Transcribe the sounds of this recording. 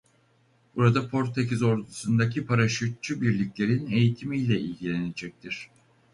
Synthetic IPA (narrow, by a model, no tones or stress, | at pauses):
b̥uɾad̪apʰo̞ɾt̪ʰecizo̞ɾd̪usund̪acʰipʰaɾaʃyt̪̚t͡ʃʰybiɾlʲiclʲe̞ɾine̞jit̪ʰimijlʲɛʔḭlʲɟilʲene̞d͡ʒɛc̚t̪ʰiɾ̥